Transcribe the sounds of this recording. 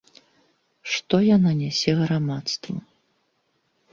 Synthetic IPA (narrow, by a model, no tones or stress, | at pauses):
ʂt̪ɔjananʲɛsʲɛɣɾamat̪st̪vɐ